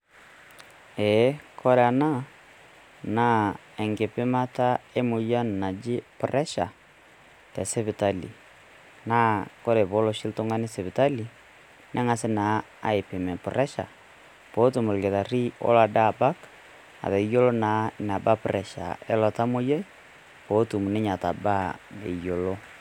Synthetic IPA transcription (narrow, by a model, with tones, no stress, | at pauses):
ɛ˨˦kʰɔ˦ɾe˨a˨na˦ | na˦ | ɛ˨ŋɡe˨pe˦ma˦ta˦e˦mo˨ja˦nna˨d͡ʒe˦prɛ˦ʃa˨ | tɛ˨se˦βe˨ta˦lḭ˨ | na˦ko˦ɾe˨βo˦lo˨ʃi˦lto˦ŋɡa˦ne˦se˨βɪ˨ta˦li˨ | nɛ˦ŋa˨sɪ˦naː˨˦ | a̰˨ɪ˨pɪ˨mɛ˨pʊ˨ɾɛ˦ʃa̰˨ | po˨˦tu˨mʊ˨lke˨ða˨ri˦ɔ̰˦la˨da˦˨ba˦k | a̰˨ðɛ˨˦jo˦lo˦naː˨˦n˨a˨ba˦pʊ˨ɾɛ˨ʃa̰˨ɛ˦lɔ˨ta˦mo˦jo˦i˦ | po˨˦tu˨mu˨nɪ˦ɲa˨ta˨ba˦ḛ˨jo˨lo˦